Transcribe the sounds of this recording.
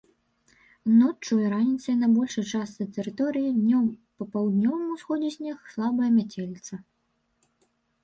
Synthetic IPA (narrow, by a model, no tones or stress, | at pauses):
nɔt͡ʂːujɐɾanʲit̪sɐjnɐbɔlʲʂɐjt͡ʂast̪sɐjt̪ɛɾɨt̪ɔɾɨjid̪ʲnʲɔmpɐpawd̪nʲɔvɐmusxɔd͡zʲɛzʲnʲɛxslˠabɐjɐmʲat͡sʲelʲit̪sɐ